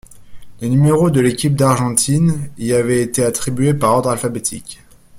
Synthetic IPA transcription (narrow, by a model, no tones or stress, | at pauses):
lenymeʁod̪əlekʲip̚d̪aʁʒɑ̃t̪ʰiniavɛet̪eat̪χibɥepaʁɔʁd̪ʁalfabet̪ʰḭkʲ